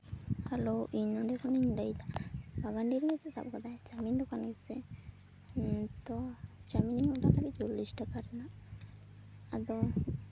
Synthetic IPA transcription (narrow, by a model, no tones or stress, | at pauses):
haloʔiɲnɔɳɖɛkɔniɲɖajt̪abaɡaɳɖiɾimɛsɛsa̰b̚kad̪ad͡ʒamind̪ɔkanɡɛsɛ | t̪ɔd͡ʒamininɔɖalabid͡ʒulːisʈəkaɾɛna | ad̪ɔ